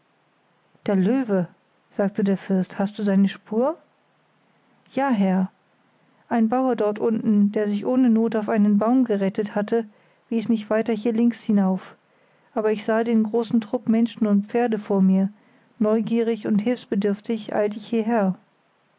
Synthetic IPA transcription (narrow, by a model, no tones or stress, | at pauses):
d̥eːɐløːvə | z̥aːk̚tədeːɐfɪɐsthastd̥uːzaɪnəʃpʰuːɐ | jaːɦɛɐ | ʔaɪnbaʊɐdɔɐtʔʊntn̩d̥eːɐzɪçʔoːnənoːtaʊfaɪnənbaʊmɡəʁɛtəthatʰə | v̥iːsmɪçv̥aɪtɐɦiːɐlɪŋkshɪnaʊf | ʔaːbɐɪçz̥aːdeːnɡʁoːsn̩tʁ̥ʊpmɛnʃn̩ʊnt̚p͡feːɐdəfoːɐmiːɐ | nɔʏɡiːʁ̞ɪçʊnthɪlfsb̥ədʏɐftɪçʔa̰ls̬ɪçhiːɐɦɛːɐ